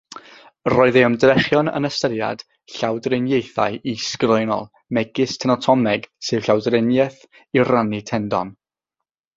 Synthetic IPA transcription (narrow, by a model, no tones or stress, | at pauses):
rɔːɨðeəmdrɛχjɔnə̰nəstəɾja̰d̥ | ɬawdrɪnjejθa̰jʔiskrɔjnɔ̰lˠ | mɛɡɪstʰɛnɔtʰɔmɛɡsɨvɬawdrɪnjɛθ | iranitʰɛndɔ̰n